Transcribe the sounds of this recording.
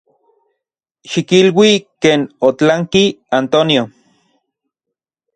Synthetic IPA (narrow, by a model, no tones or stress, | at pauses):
ʃikilwikeːnot͡ɬaŋkiant̪onjo